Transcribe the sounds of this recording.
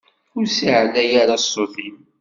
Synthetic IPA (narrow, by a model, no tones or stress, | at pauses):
ʊɾsiʕlːæjaɾasˤːoθim